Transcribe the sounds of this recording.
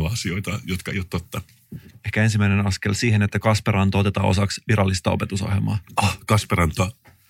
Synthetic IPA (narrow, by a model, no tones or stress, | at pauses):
ɑsio̞jt̪ɑjot̪kɑḛjut̪t̪ːot̪ːɑ | e̞hkæe̞ns̬imæjnenɑskelsiːhenet̪ːækɑspeɾɑnt̪oo̞t̪e̞t̪ɑ̰ːo̞̰sɑksʋiɾɑlːist̪ɑope̞t̪uso̰hjelmɑ̰ːɑkɑspeɾɑnt̪oɑ